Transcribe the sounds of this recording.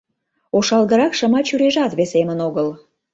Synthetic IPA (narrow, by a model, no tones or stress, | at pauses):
oʃɑlɣəɾɑkʃəmɑt͡ɕyɾeʒɑt̪βesemənoɣəl